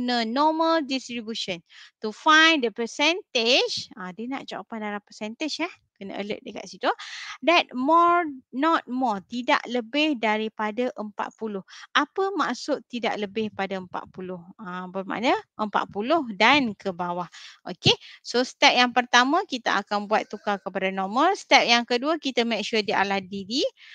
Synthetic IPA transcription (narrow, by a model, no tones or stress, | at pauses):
nənɔməldist̪ɾibjuʃənt̪ufajndəpəsɛnt̪ɪd͡ʒadəna̰ʔt͡ʃaa̰pandalapəsɛnt̪ɪd͡ʒah | kənə̰ʔə̰lə̰ʔ̚dəka̰t̪̚sit̪udɛt̪̚mɔnɔt̪̚mɔrt̪ida̰ʔləbɪhdaɾipadaʔəmpa̰t̪̚pulʊhapəmaʔsʊʔt̪ːida̰ʔləbɪhpadaəmpa̰t̪̚pulʊhəbərmã̰nəʔəmpa̰t̪̚pulʊhdankəbawahʔokesost̪ɛp̚jaŋpərt̪amãkit̪aʔakanbuat̪ːukakəpadanɔməlst̪ɛp̚jaŋkəduəkit̪əmek̚ʃudiʔa̰lahdidi